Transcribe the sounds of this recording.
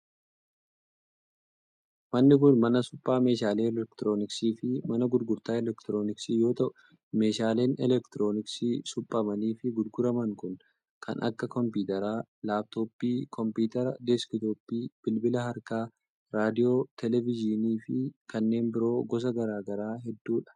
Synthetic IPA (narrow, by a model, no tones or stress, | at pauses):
mɐnːɪkʊnmɐnɐsʊpʼːaːme̞ːʃaːle̞ːlɛkt̪ɪɾoːnɪksiːfɪmɐnɐɡʊd̪ɡʊɾt̪aːɛlɛkt̪ɪɾo̞ːnɪksiːjo̞ːt̪ɐʔʊ | me̞ːʃaːleːnɛlɛkt̪ɪɾo̞ːnɪksiːsʊpʼːɐmɐniːfɪɡʊd̪ɡʊɾɐmɐŋkʊn | kʰɐ̰nʔɐ̰kːɐkɔmpuːt̪ɐɾaːlaːb̚t̪oːpːiːkʰɔmpiːt̪ɐɾɐd̪ɛskɪt̪oːpːiːb̥ɪlbɪlɐɦɐɾkaː | ɾaːd̪ɪjo̞ːt̪ʰɛlɛvɪd͡ʒɪniːfɪkɐnːe̞ːmbɪɾo̞ːɡɔs̬ɐɡɐɾaːɡɐɾaːɦɛd̪ːuːᶑɐ̥